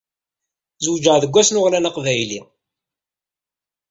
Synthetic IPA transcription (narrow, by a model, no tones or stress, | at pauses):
zwd͡ʒəʁðəɡʷːæsnʊʁlænaqvæjlḭ